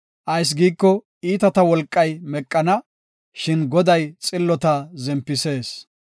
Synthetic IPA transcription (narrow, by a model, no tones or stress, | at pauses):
ʔɐjs̬ɡiːkːɔ | iːt̪ɐt̪ɐwɔlkʼːɐjmɛkʼːɐnɐ | ʃɪnɡɔd̪ɐjt͡sʼɪlːɔt̪ɐzɛmpːɪse̞ːs